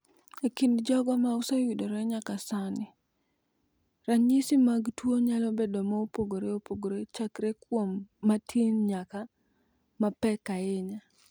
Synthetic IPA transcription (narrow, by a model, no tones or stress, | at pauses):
ekindd͡ʒɔɡɔmausajwidoɾɛɲakasanɪ | ɾaɲisimaɡtwoɲalɔbedɔmaopoɡoɾeopoɡoɾet͡ʃakɾekwomːatʰinɲaka | mapɛkaeɲa